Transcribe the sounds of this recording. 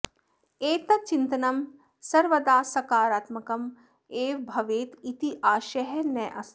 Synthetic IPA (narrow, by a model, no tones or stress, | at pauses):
eːt̪ɐt͡ʃint̪ɐnɐm | sɐɾʋɐd̪aːsɐkaːɾaːt̪mɐkɐm | eːʋbʱɐʋeːt̪it̪iʔaːʃɐɦɐnɐːʔɐ̰s